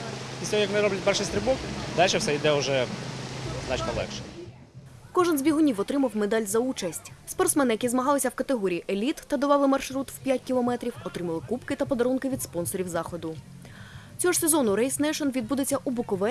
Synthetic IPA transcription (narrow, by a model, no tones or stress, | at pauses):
isʲɔɔjɐknɪɾɔblʲɐt̚ʲpɛrʃɪjst̪ɾɪbɔkd̪alʲʃɛwsɛid̪ɛʊʒɛ | znɑt͡ʃnɔlˠɛ̰kʃɛ̥ | kɔʒɛnzbʲiɦʊnʲiwɔt̪ɾɪmɐwmed̪ɑlʲzɐut͡ʃɐsʲtʲspɔrt̪smɛnɪjɐkʲizmɐɦɑlˠɪsʲɐwkɐt̪eɦɔɾʲiiʔelʲit̪ːɐd̪ɔʋɑlˠɪmɐrʃɾut̪wpʲjatʲkʲilˠɔmɛt̪ɾʲiwɔt̪ɾɪmɐlˠɪkupkɪt̪ɐpɔd̪ɐɾunkɪʋʲid̪spɔnsɔɾʲiwzɑxɔd̪ʊ | t͡sʲɔɦɔsezɔnʊɾɛjsnɛʃɔnʋʲid̪bud̪et͡sʲːɐʔubʊkɔʋɛ